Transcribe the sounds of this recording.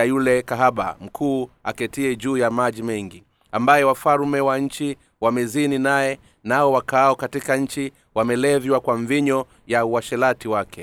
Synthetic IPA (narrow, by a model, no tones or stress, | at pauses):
ajulɛkaɦaɓa̰m̩kʰuːakɛtiɛʄuːjamaʄimɛŋɡi | ambajɛwafaɾmɛwaɲ̩t͡ʃi | wamɛzininaɛ | naɔwakaɔkatikaɲ̩t͡ʃi | wamɛlɛvwakwaɱviɲɔ | jauwaʃɛlatiwakɛ